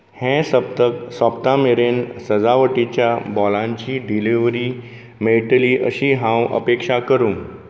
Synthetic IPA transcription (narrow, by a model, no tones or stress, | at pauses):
hẽsət̪əsəpt̪ameɾensəd͡zaʋəʈit͡ɕjabɔlãɲt͡ɕiːɖiliʋɾiː | meʈəliːʔəɕiːɦãwə̰pekʂakəɾũːŋ